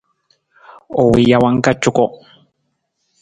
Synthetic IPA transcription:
o˨wi˨ja˨wa˨ŋka˦t͡ʃːʊ˦ko˦

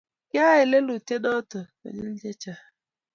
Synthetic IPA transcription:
kja˦ɪ˨le˦lu˨te˦dɔ˦tʊ˨ko̰˨ɲɪ˦n̩˦d͡ʒe˦t͡ʃa˦

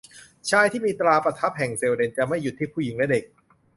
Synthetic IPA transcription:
t͡ɕʰaː˧jt̪ʰiː˥˩miː˧t̪ɾaː˧pɾa˧t̪ʰa˦˥p̚hɛ˨˩ŋseː˧wde˧nt͡ɕa˨˩ma˥˩ju˨˩t̪ʰːiː˥˩pʰuː˥˩ji˨˩˦ŋlɛ˦˥de˨˩k̚

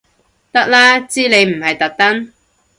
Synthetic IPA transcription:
t̪ɐ˥k̚laː˥t͡siː˥le˨˧jm̩˨˩hɐ˨jt̪ɐ˨k̚t̪ɐ˥n

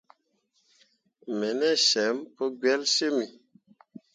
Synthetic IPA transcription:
mɛ˨nɛ˦ʃɛ˨˦mpo˦ɡɥɛ˦lse˦mi˨

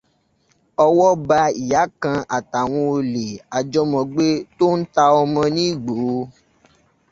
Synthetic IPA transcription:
ɔ˧wɔ˦ba˧i˨ja˨˦kã˧a˨ta˨w̃ɔ̃˧o˧le˨a˨d͡ʒɔ˦mɔ̃˧ɡ͡be˦to˦n̩˦ta˧ɔ˧mɔ̃˧nĩ˦i˦˨ɡ͡bo˨˦˨

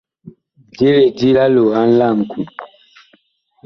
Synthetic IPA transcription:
d͡ʒe˦ɾe˨di˦la˦lo˨a˦n̩˦la˦˨m˨kʰu˨

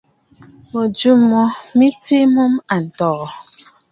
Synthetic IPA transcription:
mo˨d͡ʒu˦mɔ˦mi˦ti˦mu˦m˦a˨n̩˨tɔː˨

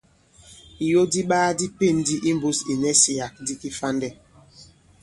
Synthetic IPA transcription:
i˨jo˦di˦ɓaː˦di˦pe˦˨ndi˦ʔi˦m˨bu˦si˨nɛ˦si˨ja˨k̚di˦ki˦fa˦ndɛ˦

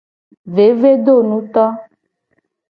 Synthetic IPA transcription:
ve˨˦ve˦ɖ̪o˦˨nũ˨˦t̪ɔ˦

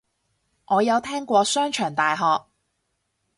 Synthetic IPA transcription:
ŋʔɔː˨˧jɐ˨˧wt̪ʰɛː˥ŋkʷɔː˧sœː˥ŋt͡ʃʰœː˨˩ŋt̪aː˨jɦɔː˨k̚

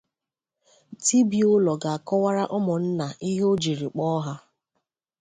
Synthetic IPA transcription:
ti˦bi˨ʊ˦lɔ˨ɡa˨a˨kɔ˦wa˦ɾa˦ʔɔ˦mʊ˨n̩˦na˨ʔi˦ɦo˦d͡ʒi˨ɾi˨k͡pɔ˦ɦa˦

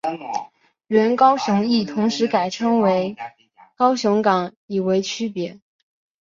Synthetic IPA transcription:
ɥə˧˥nkɑ˥ʊɕʊ˧˥ŋi˥˩t̪ʰʊ˧˥ŋʂɻ̩˧˥ka˨˩ɪʈ͡ʂʰɤ˥ŋwe˧˥ɪ | kɑ˥ʊɕʊ˧˥ŋkɑ˨˧˥ŋ | i˨˩we˧˥ɪt͡ɕʰy˥pjɛ˧˥

